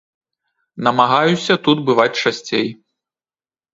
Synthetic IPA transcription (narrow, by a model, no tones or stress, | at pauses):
nɐmaɣajusʲɐt̪ud̪bɨvat͡sʲt͡ʂasʲt͡sʲej